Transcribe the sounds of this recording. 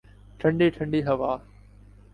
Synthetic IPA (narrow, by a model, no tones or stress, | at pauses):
ʈʰə̃ɳɖeːʈʰə̃ɳɖiːɦɐʋaː